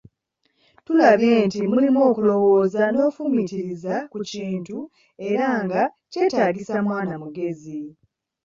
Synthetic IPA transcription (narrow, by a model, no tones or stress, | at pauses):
tulaβjeːntimulimo̞ːkulo̞wo̞ːzano̞ːfumitiɾizakuciːntu | e̞ɾaŋɡace̞ːtaːɡisamwaːnamuɡe̞zi